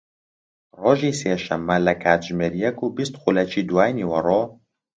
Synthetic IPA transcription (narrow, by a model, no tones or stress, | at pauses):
roːʒiːseːʃɛmːɛlɛkʰaːt̪ʒmeɾijɛkuːbist̪xulɛt͡ʃiːd̪waːjniːwɐroː